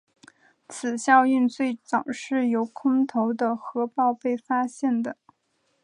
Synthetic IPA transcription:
t͡sʰɹ̩˨˩ɕjɑ˥˧ʊy˥˧nt͡swe˥˩ɪt͡sɑ˨˩ʊʂɻ̩˥˩jo˧˥ʊkʰʊ˥ŋt̪ʰo˧˥ʊd̪ə˧xɤ˧˥pɑ˥˧ʊpe˥˩ɪfa˥ɕjɛ˥˩nd̪ə˩

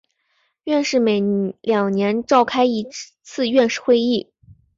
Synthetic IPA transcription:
ɥɛ˥˧nʂɻ̩˥˩me˨˩ɪljɑ˨˩ŋnjɛ˧˥nʈ͡ʂɑ˥˩ʊkʰa˥ɪi˧˥ | t͡sʰɹ̩˥˧ɥɛ˥˧nʂɻ̩˥˩xwe˥˧ɪi˥˩

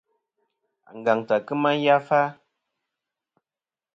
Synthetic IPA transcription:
a̰˨ŋ˨ɡa˨ŋta˨kɨ˦ma˦n˦ja˦fa˦

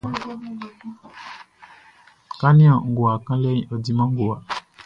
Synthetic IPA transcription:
ka˦nĩ˦ã˨ŋ̩˨ɡo˨a˨kã˦lɛ˦ĩ˨ʔɔ˨di˦mã˦ŋ̩˦ɡo˨a˨

